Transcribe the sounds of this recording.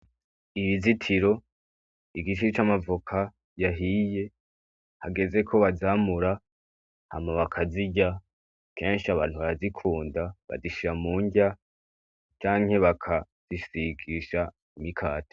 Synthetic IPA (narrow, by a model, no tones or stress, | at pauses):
iβizitʰiɾo̞ | iɡit͡ʃiit͡ʃamavukʰa | jaɦije̞ | haɡe̞ze̞kʰo̞βazaːmuɾa | ha̰maβakʰaziɟa | ke̞ːnʃiaβa̰ːnhuβaɾazikʰuːndaβa̰ziʃiɾamuːɲɟa | t͡ʃaːŋ̥he̞βakʰa | z̥iʃsiɡiʃa | imikʰaːte̥